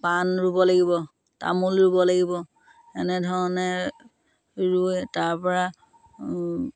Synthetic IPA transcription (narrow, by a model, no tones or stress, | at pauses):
panɹubɔlaɡibɔ | ta̰mulɹubɔlaɡibɔ | ɛnɛdʱɔɹɔnɛ | ɹutaɹpɔɹa